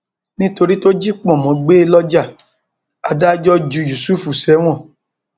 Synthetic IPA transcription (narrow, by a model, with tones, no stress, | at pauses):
nĩ˦to˧ɾi˦to˦d͡ʒi˦k͡pɔ̃˦˨mɔ̃˨˦ɡ͡be˦lɔ˦d͡ʒa˦˨ | a˨da˦d͡ʒɔ˦d͡ʒu˧ju˨su˦fu˨sɛ˨˦w̃ɔ̃˦˨